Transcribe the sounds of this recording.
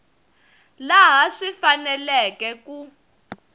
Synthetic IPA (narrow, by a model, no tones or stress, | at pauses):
laɦaʂifanɛlɛkɛku